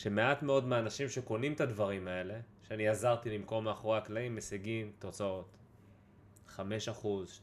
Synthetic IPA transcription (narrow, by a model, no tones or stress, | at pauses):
ʃe̞me̞atme̞o̞dmeanaʃimʃe̞ko̞nimet̪ad̪vaʁimae̞le̞ | ʃeaniazaʁt̪ilimko̞maχoʁaklaimːesiɡimt̪o̞t͡sao̞t̪ | χame̞ʃaχuz